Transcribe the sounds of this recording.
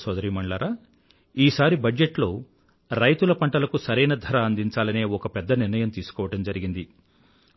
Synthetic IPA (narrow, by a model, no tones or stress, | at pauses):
sʋɐd̪ɐɾiːmɐɳɭaːɾaː | iːsaːɾibɐd͡ʒeʈlo̞ː | ɾɐjt̪ulɐpɐɳʈɐlɐkusɐɾɛjnɐd̪ʱɐɾɐːnd̪iɲt͡ʃaːlɐneːɔkɐpɛd̪ːɐniɾnɐjɐmt̪iːsu̥kɔːʋɐʈɐmd͡ʒɐɾiɡind̪i